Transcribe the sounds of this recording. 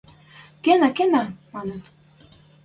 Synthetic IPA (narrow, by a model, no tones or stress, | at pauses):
kenɑkenɑmɑnət̪